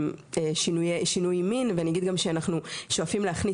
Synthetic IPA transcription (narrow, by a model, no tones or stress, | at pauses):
meʃinujeʃinujminveanijaɡid̪̚ɡamʃeanaχnuʃo̞afimleaχni